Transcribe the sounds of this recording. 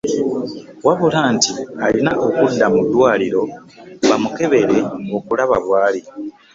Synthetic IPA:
waβulaːntialinaʔo̞kudːamudːwaːliɾo̞ | βamuke̞βe̞ɾe̞ŋɡokulaβa̰βwaːli

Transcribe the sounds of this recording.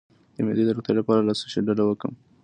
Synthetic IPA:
d̪̥əmed̪ed̪əɾoxt̪elapɑɾalɑsiʃeɖalawəkəm

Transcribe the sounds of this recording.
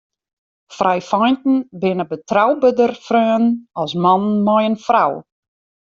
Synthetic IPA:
frajfɔjntn̩bɪnəbətrawbədərfrøːnɔsmɔnnmɔjənfraw

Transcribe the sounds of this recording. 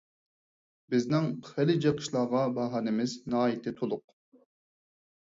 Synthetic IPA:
bɪznɪŋχɛlɪd͡ʒeqʰə̥ʃlˠɑːʁɑbɑɦɑːnɪmɪznɑɦɑːjit̪ʰɪt̪ʰolˠʊq̚

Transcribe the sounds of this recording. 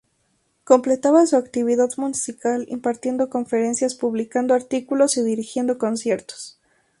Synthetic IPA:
ko̞mple̞t̪aβasuakt̪iβiðaðmunsikalḭmpaɾt̪je̞nd̪o̞ko̞ɱfe̞ɾe̞nsjaspuβlikand̪oaɾt̪ikulo̞siðiɾixje̞nd̪o̞ko̞nsje̞ɾt̪o̥s

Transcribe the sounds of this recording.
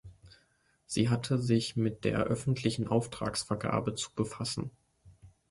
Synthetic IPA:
z̥ḭːɦatʰəzɪçmɪt̚d̥ḛːɐʔœfn̩tʰlɪçn̩ʔaʊftʁ̥a̰ːksfɛɐɡa̰ːbət͡su̥bəfasn̩

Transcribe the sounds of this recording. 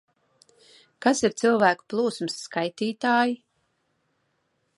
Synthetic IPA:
kasiɾt̪silˠvæːku̥plˠuːsmɨsːkajt̪iːt̪aːji

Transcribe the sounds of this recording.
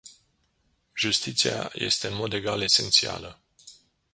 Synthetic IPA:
ʒust̪it̪sia̰je̞̰st̪e̞ɨnmo̞d̪e̞ɡale̞se̞nt̪sia̰lə

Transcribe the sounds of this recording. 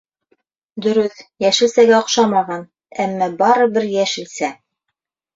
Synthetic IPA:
d̪ɵ̆ɾɵθjæʃɘ̆lsæɡæŏqʃɑmɑʁɑn | æmːæbɑɾɤ̆bɘɾjæʃɘ̆lsæ

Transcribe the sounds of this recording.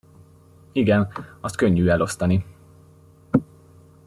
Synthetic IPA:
iɡɛnɒst̪̚kø̞ɲːyːɛlo̞st̪ɒni

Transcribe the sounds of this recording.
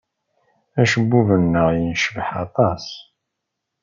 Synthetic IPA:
æʃəbːuvənːəʁjənʃəvəħɑ̰t̪ˤɑs

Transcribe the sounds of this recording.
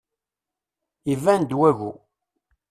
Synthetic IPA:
ivænd̪wæɣṵ

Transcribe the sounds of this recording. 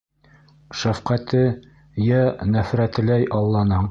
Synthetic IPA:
ʃæfqæt̪ɘ | jænæfɾæt̪ɘ̆læjʔɑlˠːɑnɤɴ

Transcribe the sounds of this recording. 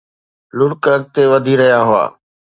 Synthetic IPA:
lʊɽkəɡ̚t̪eʋɐd̪ʱiɾɐɦjaɦʊa̰ː

